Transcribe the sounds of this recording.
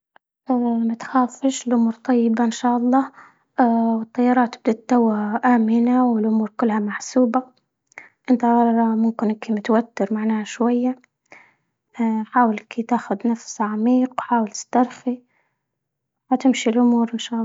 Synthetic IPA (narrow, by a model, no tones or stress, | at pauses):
ʔamat̪xaːfɪʃɪlʔʊmuːɾt̪ˤɑjːɪbaɪnʃaːʔɑlˤːɑː | wɨt̪ˤːɑjːɑɾˤɑːt̪ːɪb̚d̪at̪ːawːaʔaːmɪnawɪlʔʊmuːɾkʊlːhamaħsuːba | ʔɪnt̪aɑɾˤɑmʊmkɪnʔkʰimɪt̪wat̪ːɪɾmaʕnaːhaʃwajːa | ħaːwɪlkʰit̪aːxʊd̪nafsʕamiːqwħaːwɪlt̪ɪ̥st̪ɑɾˤxi | at̪ɪmʃilʔʊmuːɾɪnʃaːʔ